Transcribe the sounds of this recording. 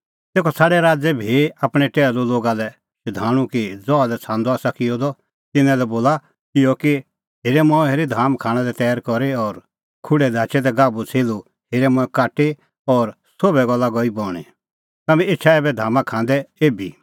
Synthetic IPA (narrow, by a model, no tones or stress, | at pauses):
t̪eːkʰɔsaːɽɛɾaːd͡zɛbʱiapɽ̃ɛʈɛːloloːɡalɛ | ʃʊd̪ʱaːɽ̃ũkid͡zɔalɛt͡sʰãːnd̪ɔaːsakɪjɔd̪ɔ | t̪ɪnãlɛboːla | kɪjɔki | heːɾɛmɔɛ̃ɦeːɾed̪ʱaːmkʰaːɽ̃ãlɛt̪ɛːɾkɔɾeɔɾ | kʰʊɽɛd̪ʱaːt͡ʃɛd̪ɛɡaːbut͡sʰeːlu | heːɾɛmɔ̃ɛ̃kaːʈe | ɔɾ | sobɛɡɔlːaɡɔibɔːɽ̃ḛ | t̪ɐmɛ̃ɪt͡ʃʰaeːbɛd̪ʱaːmãkʰãːnd̪ɛeːbʱi